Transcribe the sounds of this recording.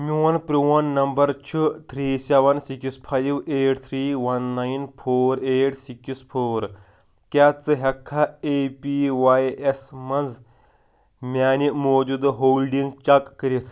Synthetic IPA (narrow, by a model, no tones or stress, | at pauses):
miwɐnpɾuwɐnːɐmbɐɾt͡ʃʰɨt̪ʰɾiːsɛʋɐnsikispʰajʋeːʈt̪ʰɾiːʋɐnːajnfʰoːɾeːʈsikispʰoːɾ | kʲat͡sɨɦɐkʰːaepiʋajesmɐnd͡z | mʲaːnimoːd͡ʒud̪ɦoːlɖiŋɡt͡ʃɐkːɐɾit̪ʰ